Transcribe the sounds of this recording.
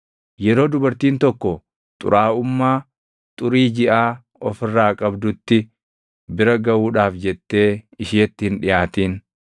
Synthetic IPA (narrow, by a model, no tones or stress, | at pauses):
jɛɾo̞ːd̪ʊbɐɾt̪iːnt̪ɔkːɔ | t̪ʼʊ̰ɾʔaːʊmːaː | t̪ʼʊɾiːd͡ʒɪʔaː | ɔfɪrːaːkʼɐbd̪ʊt̪ːɪ | bɪɾɐɡɐwuːᶑaːfd͡ʒɛt̪ːe̞ːɪʃiːɐt̪ːɪhɪnᶑɪjaːt̪iːn